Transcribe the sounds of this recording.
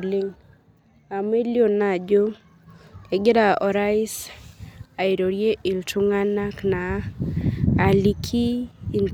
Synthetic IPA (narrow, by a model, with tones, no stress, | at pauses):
li˦ŋ | a˨me˦ljo˨na˨d͡ʒo˦ | e˨ɡɪ˦da˨ɔ˨ɾa˦ɪ˦s | a˨i˨ɾo˨ɾje˦ʔi˨ltu˦ŋa˦na˦kna˨˦˨ | li˦kʰiː˦˨n